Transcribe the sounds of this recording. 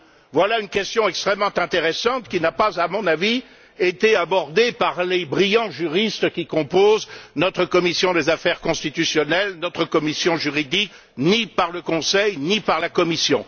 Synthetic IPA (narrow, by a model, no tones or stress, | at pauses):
vwalaynkʲɛst̪jɔ̃ɛkst̪χɛmːɑ̃t̪ɛ̃t̪eʁesɑ̃t̪kʲinapazamɔ̃navi | et̪eabɔʁd̪epaʁlebʁijɑ̃ʒyʁist̪kʲikɔ̃poznɔt̪χəkɔmisjɔ̃d̪ezafɛʁkɔ̃st̪it̪ysjɔnɛlnɔt̪χəkɔmisjɔ̃ʒyʁid̪ik | nipaʁləkɔ̃sɛjnipaʁlakɔmisjɔ̰̃